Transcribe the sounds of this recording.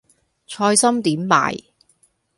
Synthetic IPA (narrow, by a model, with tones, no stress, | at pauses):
t͡ʃʰɔː˧jsɐ˥mt̪iː˨˥mːa̰ː˨˩j